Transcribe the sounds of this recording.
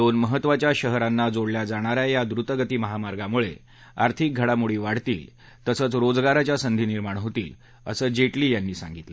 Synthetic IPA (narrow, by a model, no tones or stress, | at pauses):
d̪onməɦət̪ːʋat͡ɕjaɕəɦɾanːad͡zoɽljad͡zaɽ̃aɾajjad̪ɾut̪əɡət̪iːməɦamaɾɡamuɭḛ | aɾt̪ʰik̚ɡʱəɽamuɭiːʋaɽ̤t̪ḭːl | t̪əsət͡sɾod͡zɡaɾat͡ɕjasənd̪ʱiːniɾmaɳ̃ɦot̪ḭːl | ə̰səːd͡ʑeʈliːjanːiːsã̰ŋɡit̪lə